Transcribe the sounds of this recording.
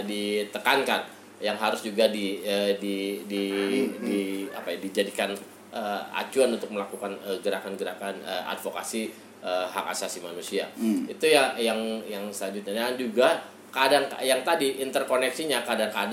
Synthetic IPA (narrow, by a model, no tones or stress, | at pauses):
dit̪əkankan | jaŋɦaɾʊsd͡ʒuɡadiədididia̰pajadid͡ʒadikan | ʔəa̰t͡ʃuanunt̪ʊk̚məlakukanəɡəɾakanɡəɾakanəa̰dfoka̰si | əɦa̰ka̰sasimanusia̰it̪ujajaŋjaŋsəlaɲd͡ʒʊt̪̚ɲadand͡ʒuɡa | kadaŋjaŋt̪adiʔint̪ərkonɛksiɲakadaŋkad